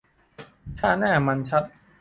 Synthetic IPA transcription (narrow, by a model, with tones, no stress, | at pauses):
t͡ɕʰaː˥˩naː˥˩ma˧nt͡ɕʰa˦˥t̪̚